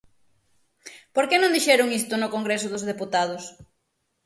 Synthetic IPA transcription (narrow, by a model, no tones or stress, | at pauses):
poɾkenõnd̪iʃɛɾʊŋist̪ʊnʊkoŋɡɾesʊðʊzðeput̪að̞ʊs